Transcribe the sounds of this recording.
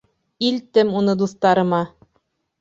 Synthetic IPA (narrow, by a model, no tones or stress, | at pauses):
ilt̪ɘmunɤd̪uθt̪ɑɾɤ̆mɑ